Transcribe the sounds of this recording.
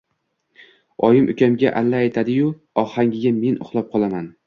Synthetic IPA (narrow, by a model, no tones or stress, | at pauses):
ɒjɪmʔʊkʲamɡʲaʔalːaːjt̪ʰad̪ɪjʊ | ɒhaŋʲɪɡʲame̞nʊ̰χlˠɒp̚qʰɒlˠaman